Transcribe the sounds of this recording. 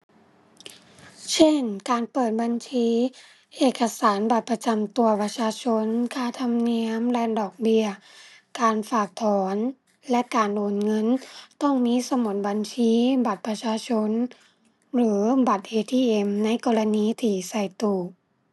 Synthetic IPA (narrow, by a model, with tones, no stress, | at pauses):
t͡ɕʰe˧˥˩nkaː˨˩npɤː˨˩t̪̚ba˨nt͡ɕʰiː˧˥ | ʔeː˨˩kːa˧saː˩˨˦nba˨˩t̪̚pa˧t͡ɕa˨˩mt̪u˨˧ɐpa˧t͡ɕʰaː˧t͡ɕʰo˧˥nkʰaː˧˩t̪ʰa˧mni˧˥əmlɛː˧˥ndɔː˨˩k̚bi˧ɐkaː˨nfaː˧˩k̚t̪ʰɔː˨˩˦n | lɛ˧˥ʔkaː˨nʔoː˨˩nŋɤ˧˥˨nt̪ɔ˧˥˩ŋmiː˧˥˨sa˧mo˨˧˦t̪̚ba˨nt͡ɕʰiː˧˥ba˨˩t̪̚pɾa˧t͡ɕʰaː˧t͡ɕʰo˧˥n | lɯː˩˦ba˨˩t̪̚ʔeː˧t̪ʰiː˧˩ʔe˧˩mna˧˥jkɔː˧la˧niː˧˥t̪ʰiː˧˩sa˧˩jt̪uː˨˩